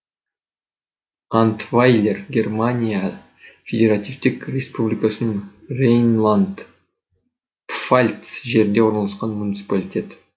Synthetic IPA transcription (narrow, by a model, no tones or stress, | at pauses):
ant̪vajlʲerɡʲe̞rmanʲija | fʲedʲe̞ɾat̪ʲijvt̪ɪkrʲespublʲijkasənərejnlˠand̪ | falʲt̪sʒe̞ɾɪnd̪e̞wo̞ɾnɑlˠɑsqɑnmunʲit̪sɨ̥palʲit̪ʲe̞t̪